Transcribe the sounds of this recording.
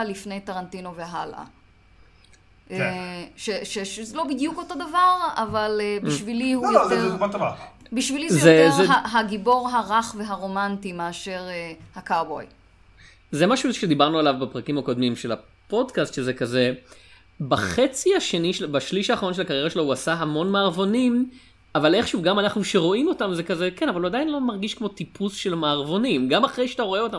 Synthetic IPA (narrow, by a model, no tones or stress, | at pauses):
lifne̞jt̪aʁant̪ino̞veɦalʔa̰ | eʃeʃeʃzlo̞bid̪juko̞to̞d̪avaʁavalebiʃvilihujemat̪ava | biʃvilizzɛjoeezɦaɦaɡibo̞ʁɦaʁaχve̞ɦaʁo̞mantimeaʃe̞ʁehakaʁbo̞̰j | zemaʃuʃed̪ibaʁnualavbapʁakimako̞d̪mimʃe̞la | po̞dkast̪ʃezekaze̞ | baχet͡siaʃe̞niʃebaʃliʃaːχaʁonʃe̞lakaʁjeʁaʃe̞lohuasaɦamo̞nmaːʁvo̞nim | avale̞χʃuvɡamanaχnuʃeʁo̞imo̞tamzekazekenavaluadainlo̞maʁɡiʃkmo̞tipʰusʃe̞lmaːʁvo̞nimɡamaχʁejʃeat̪aʁo̞eo̞t̪am